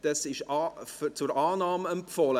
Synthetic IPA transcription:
d̥ɑsɪʃɑft͡sʊɾɑːnɑːməɛmpfɔlə

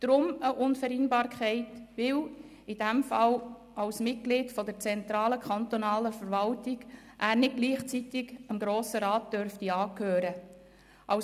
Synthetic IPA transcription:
d̪̥ɾʊməʔʊnfəɾinbɑːɾkʰɛɪtʋɪw | ɪd̥æmfɑl | ɑwsmɪt̚ɡ̥lɪːtfɔdəɾt͡sɛnt̪ɾɑːləkχɑnt̪ɔnɑːləfəɾvɑltɪɡ | ʔæːɾnɪd̚ɡ̥liːχt͡sitɪɡəmɡɾoːsəɾɑːt̚d̥œɾftiɑːkʰøːɾə | ʔɑw

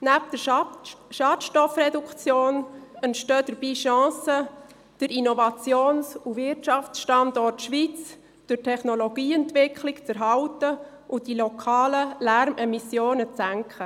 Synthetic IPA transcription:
næpd̥ə | ʃɑːtʃtɔfrɛdukt͡sjoːnəntʃtøːd̥əɾb̥iːʃɑ̃ːsə | d̥əɾinɔvɑt͡sjoːnsuvɪrtʃɑft͡sʃtɑndɔtʃʋit͡s | d̥ʊtʰɛχnoloɡ̥iːɛntvɪkʰlɪkt͡səɾɦɑwtə | ʔʊndilokʰɑːləlæɾmʔɛmisjoːnət͡sæŋkχə

